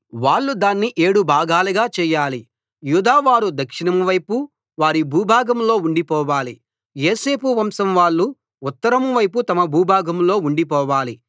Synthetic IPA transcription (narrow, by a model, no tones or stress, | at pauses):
ʋaːɭːud̪aːnːiʔe̞ːɽubʱaːɡaːluɡaːt͡ʃɛːjaːli | juːd̪aːʋaːɾud̪ɐkʂinɐmʋɐjpu | ʋaːɾibʱuːbʱaːɡɐmlo̞ːuɳɖipɔːʋaːli | jeːse̞ːpuʋɐmsɐmʋaːɭːu | ut̪ːɐɾɐmʋɐjp̬ut̪ɐmɐbʱuːbʱaːɡɐmlo̞ːuɳɖipɔːʋaːli